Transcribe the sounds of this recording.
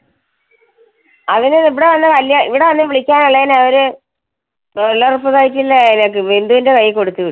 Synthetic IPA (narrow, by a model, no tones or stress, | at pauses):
ɐðinɨiʋiɽe̞ʋɐnːɨkɐlːjɐḭʋiɽe̞ʋɐnːɨʋiɭikʲːaːnɐɭːeinɐʋɐɾu | lːarupːɐðaːjitːilːeenɐkːɨend̪uʋindekɐjːiko̞ɽut̪ːuʋiɽ